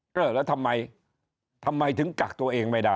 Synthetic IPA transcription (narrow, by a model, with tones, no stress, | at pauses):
əː˨˩laː˨˦t̪ʰə˧mːa˧j | t̪ʰə˧mːa˧jt̪ʰɨ˨˦ŋka˨˩k̚t̪o˧ʔe˧əŋma˧jɗaː˧˩